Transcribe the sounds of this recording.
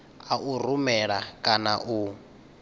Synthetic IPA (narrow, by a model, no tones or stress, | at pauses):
aʔur̤umɛɺakʼanaʔu